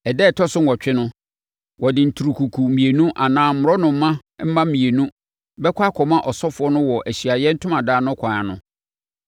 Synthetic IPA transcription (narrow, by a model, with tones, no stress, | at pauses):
ɛ˨dɛː˦˨tʰɔ˦sʊ̃˦n˨ɔ˨t͡ɕᶣɪ˦nʊ̃˦ | wɔ˨dɪ˨n̩˨tʰu˨ɾu˨kʰu˨kʰu˨mĩ˨e˨nũ˦ʔa˨nãː˦m̩˦mʊ˨ɾɔ˦nʊ̃˨m̩˦mã˦m̩˦mã˦mĩ˨e˨nũ˦ | bɛ˦kʷʰa˦kʰɔ˨mã˦ʔɔ˨sɔ˦fʊ˨˦ɔ˦nʊ̃˦wɔ˨ʔæ˨ɕi˨a˨jɛ˦n̩˦tʰʊ̃˦mã˨daː˦nʊ̃˦kʷʰã˨a˨nʊ̰̃˦